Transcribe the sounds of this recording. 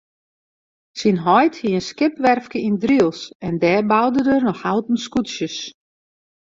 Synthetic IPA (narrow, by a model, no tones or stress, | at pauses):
sinɦɔjthiənskɪpʋɛrfkəindriəlˠsɛndɛːbawdədərnɔxhaltən̩skutsjəs